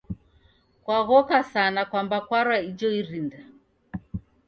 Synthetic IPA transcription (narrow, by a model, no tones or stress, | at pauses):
kwaɣɔkasanakwambakwaɾwaid͡ʒɔiɾinda